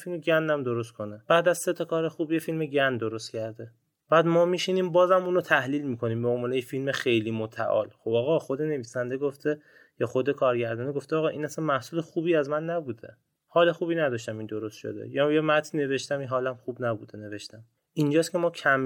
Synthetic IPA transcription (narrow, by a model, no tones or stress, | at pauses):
filmeɟænd̪æmd̪oɾost̪̚kʰo̞neb̥æːd̪æzse̞t̪ʰɒkʰɒːɾexuːbjefilmeɟænd̪oɾost̪cʰæɾd̪e̞ | b̥æːd̪mɒːmiːʃiniːmbɒːzæmuːnot̪ʰæhliːlmiːkʰo̞niːmbeomvɒːnejefilmexe̞jliːmot̪ʰæ̰ʔɒ̰ːlxobɒːɣɒːxo̞d̪e̞ne̞viːsænd̪eɡoft̪ʰe | jɒxo̞d̪ekʰɒːɾɟæɾd̪ɒːneɡoft̪eɒːɣɒːʔiːnæsænmæhsuːlexuːbiːæzmænːæbuːd̪ḛ | hɒːle̞xuːbiːnæd̪ɒːʃt̪æmind̪o̞ɾost̪ʃo̰d̪ḛjɒjemæt̪ʰine̞ve̞ʃt̪æminɦɒːlæmxubnæbṵːd̪ene̞ve̞ʃt̪æm | ʔind͡ʒɒːscʰe̞mɒːcʰæm